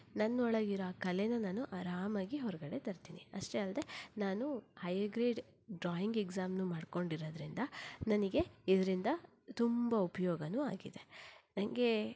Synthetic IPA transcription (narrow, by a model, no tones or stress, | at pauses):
nɐnːuɔɭɐɡiɾoaːkɐlenɐnaːnuʔɐɾaːmaːɡiɦɔɾɐɡɐɽe̞t̪ɐɾt̪iːniɐʂʈeɐld̪e̞naːnuhɐjɐɡɾeːɖ | ɖɾaːjiŋɡeɡzaːmnumaːɽko̞ɳɖiɾoːd̪ɾind̪ɐnɐniɡe̞id̪ɐɾind̪ɐ | t̪umbɐupɐjɔːɡɐnuːa̰ːɡid̪e̞nɐŋɡe̞